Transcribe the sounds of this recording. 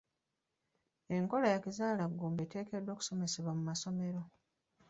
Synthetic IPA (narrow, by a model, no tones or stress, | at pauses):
e̞ŋko̞lajakizaːlaɡːuːmbete̞ːke̞dːo̞ːku̥so̞me̞seβwamumaso̞me̞ɾo̞